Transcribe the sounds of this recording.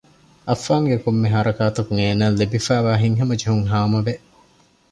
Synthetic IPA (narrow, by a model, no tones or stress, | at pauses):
ʔɐfːaːŋɡekomːeɦɐɾɐkaːt̪ɐkuŋeːnɐlːibifæːʋaːɦiŋɦɐmɐd͡ʒeɦuŋɦaːmɐʋeʔ